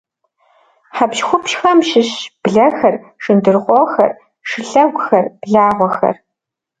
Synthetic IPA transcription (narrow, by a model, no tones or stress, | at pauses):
ħapʃxʷʊpʃxɐmʃɪɕb̥ɮɐxɐr | ʂɨndɨrʁʷɔxɐ̰r | ʂɨɬɐɡʷʊxɐrb̥ɮaːʁʷɔxɐ̰r